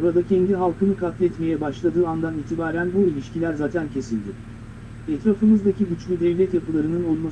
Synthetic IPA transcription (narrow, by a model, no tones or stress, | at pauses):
oɾad̪acʰɛnd̪iɦalˠkʰɯnɯkʰat̪lʲɛt̪me̞jɛbaʃlˠad̪ɯːand̪aniːt̪ʰibaːɾænbuilʲiʃcilʲæɾzaːt̪ʰæncʰe̞silʲd̪ɪ | ɛt̪ɾafɯmɯzd̪aciɟyt͡ʃlʲyd̪ɛvlʲɛt̪japɯlˠaɾɯnɯno̞lˠma